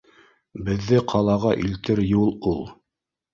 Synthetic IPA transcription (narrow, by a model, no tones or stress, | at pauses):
bɘ̆ðːɘqʰɑlˠɑʁɑʔilt̪ɘɾjulˠulˠ